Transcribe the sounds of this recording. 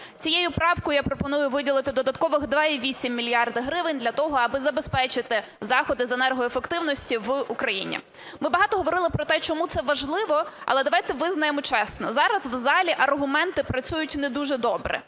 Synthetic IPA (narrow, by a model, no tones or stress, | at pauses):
t͡sʲijejʊpɾɑwkʊjjapɾɔpɔnujʊʋɪdʲilˠɪt̪ɪd̪ɔd̪ɐt̪kɔʋɪxd̪ʋɑiʋʲisʲimʲːilʲijɑrd̪ɪɦɾɪʋɪnʲd̪lʲɐt̪ɔɦɔɐbɪzɐbespɛt͡ʃɪt̪ɪzɑxɔd̪ɪzenɛrɦɔjefekt̪ɪwnɔsʲtʲiʋukɾɐjḭnʲḭ | mɪbɐɦɑt̪ɔɦɔʋɔɾɪlˠɪpɾɔt̪ɛt͡ʃɔmut̪sɛʋɐʒlˠɪʋɔɐ̰lˠɛd̪ɐʋɑjt̪ɛʋɪznɐjemɔt͡ʃɛsnɔzɑɾɐzwzɑlʲiʔɐrɦʊmɛnt̪ɪpɾɐt͡sʲujʊtʲnɛd̪uʒɛd̪ɔbɾɛ̰